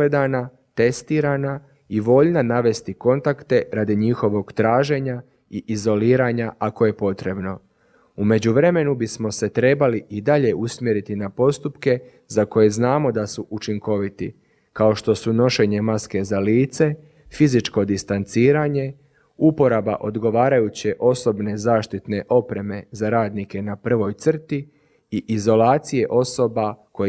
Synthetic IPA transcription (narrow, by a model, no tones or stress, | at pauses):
ed̪ana | t̪e̞st̪iːɾana | iʋo̞ʎnanaʋe̞st̪iko̞nt̪akt̪e̞ɾaːd̪iɲixo̞ʋo̞ɡ̥t̪ɾaːʒe̞ɲa | iʔizo̞liːɾaɲaʔako̞je̞po̞t̪ɾe̞bno̞ | ume̞d͡ʑuʋɾe̞me̞nubismo̞se̞t̪ɾe̞baliʔid̪aʎe̞ʔusmjeɾit̪inapo̞st̪upke̞ | zako̞je̞znaːmo̞d̪asuʔut͡ʃiŋko̞ʋit̪ḭ | kao̞ʃt̪o̞suno̞ʃe̞ɲe̞maske̞zaliːt̪se̞ | fizit͡ʃko̞d̪ist̪ant̪siːɾaːɲe̞ | upo̞ɾabaʔo̞d̪ɡo̞ʋaːɾajut͡ɕe̞ʔo̞so̞bne̞zaːʃt̪it̪ne̞ʔo̞pɾe̞me̞zaɾaːd̪nike̞napr̩ʋo̞jt̪sr̩t̪i | iʔizo̞laːt̪sije̞ʔo̞so̞bako